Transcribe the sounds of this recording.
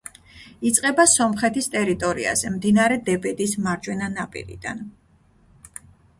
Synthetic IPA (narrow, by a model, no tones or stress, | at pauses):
it̪sʼqʼɛbasɔmχɛt̪ʰist̪ʼɛɾit̪ʼɔɾḭa̰zɛmd̪inaɾɛd̪ɛbɛd̪ismaɾd͡ʒwɛnanapʼḭɾḭd̪̥an